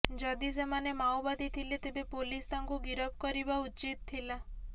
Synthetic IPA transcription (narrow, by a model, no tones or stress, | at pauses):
d͡ʒɔd̪isemanemawbad̪it̪ʰilit̪ebepolist̪aŋɡuɡiɾəp̚kɔɾibaut͡ʃit̪tʰːila